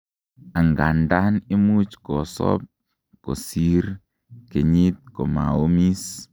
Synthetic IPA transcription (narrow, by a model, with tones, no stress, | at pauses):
a˨ŋɡa˨nda˦ni˦mu˦t͡ʃkɔ˨sɔ̰˦p̚ | ko̰˨si˦ɾ | ke˨ɲi˦t̪̚kɔ˨ma̰˨o˦mi˦s